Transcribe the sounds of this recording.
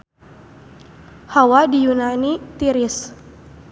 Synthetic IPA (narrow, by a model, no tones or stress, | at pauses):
hawadijunanit̪iɾɪs